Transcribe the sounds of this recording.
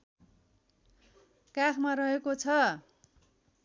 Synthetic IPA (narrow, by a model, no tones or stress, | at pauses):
kakʰmarʌɦekot͡sʰʌ